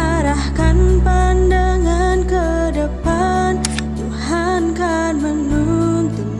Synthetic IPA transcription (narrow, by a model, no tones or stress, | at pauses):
aɾahkanpandaŋankədəpan | t̪uhankanmənːunt̪u